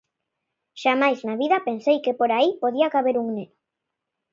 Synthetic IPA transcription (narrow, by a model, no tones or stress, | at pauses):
ʃamajznaβiðɐpensejkepoɾaipoðiakaβ̞eɾuŋneno̥